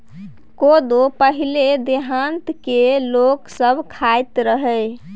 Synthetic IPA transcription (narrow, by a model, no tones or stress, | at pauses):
kod̪opəɦiled̪eɦant̪keloksəbʱkʰajt̪ɾəɦəj